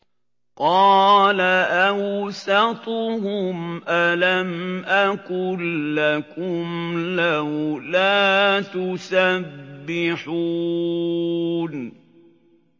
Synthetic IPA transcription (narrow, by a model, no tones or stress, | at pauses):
qɑːlaʔasɑt̪ˤʊhʊmʔalamʔakʊlːakʊmlahʊlaːt̪ʊsabːɪħuː | n